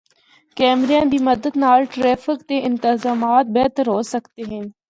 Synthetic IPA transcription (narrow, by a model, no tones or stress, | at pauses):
kɛːmɾejãːd̪iːməd̪əd̪naːlʈɾɛːfɪkt̪eʔɪ̃nt̪ɪzaːmaːt̪̚bɛːt̪əɾɦoːsəkt̪eɦɛ̃n